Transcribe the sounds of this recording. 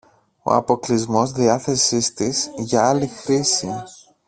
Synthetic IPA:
o̞̰ɐ̰po̞klizmo̞zðiɐθe̞sist̪isʝɐɐlixɾisi

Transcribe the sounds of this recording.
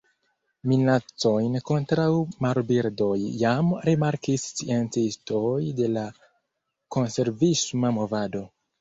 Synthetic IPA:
minat͡so̞jnko̞ntɾawmaɾbiɾdo̞jːamɾimaɾkist͡sient͡sisto̞jde̞la | ko̞nse̞ɾvismamo̞vado̞

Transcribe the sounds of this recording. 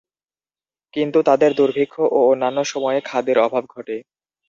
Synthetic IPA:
kint̪ut̪ad̪eɾd̪uɾbʱikʰːoʔoonːanːoʃɔmɔekʰad̪eɾɔbʱab̚ɡʱɔʈe

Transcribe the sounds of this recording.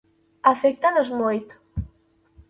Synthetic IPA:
afek̚t̪anozmojt̪

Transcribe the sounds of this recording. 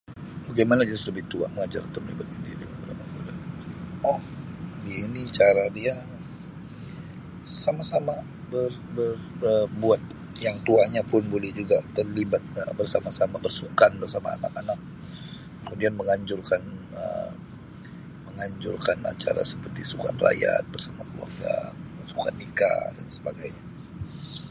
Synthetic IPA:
baɡajmanad͡ʒazasləbɪht̪ua̰məŋad͡ʒart̪əmlibat̪indidəŋanəla̰mauda | ɔhdiːnit͡ʃaɾadia | samasama | bər | bərəbuat̪̚ | jaŋt̪uaɲapʊnbolɛhd͡ʒuɡatːərlibat̪̚əbərsamasamabərsukanbərsama̰ːnakanak̚ | kːəmudianməŋaɲd͡ʒʊrkan | ə̰ | məŋaɲd͡ʒʊrkana̰t͡ʃaɾa̰səpərt̪isuka̰nra̰ja̰t̪̚bərsamakəlṵa̰rɡa̰bəsukanːika̰dansəbaɡajɲa

